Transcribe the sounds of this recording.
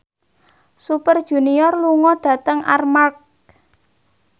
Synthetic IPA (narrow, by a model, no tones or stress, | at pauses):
supərd̥ʒ̥ṳniɔrluŋɔɖ̥ä̤t̪əŋa̰rmark̚